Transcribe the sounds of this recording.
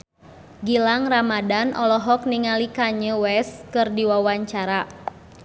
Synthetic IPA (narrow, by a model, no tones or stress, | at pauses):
ɡilaŋramadanʔɔlɔɦɔk̚niŋalikaɲəwɛskɨrdiwawaɲt͡ʃaɾa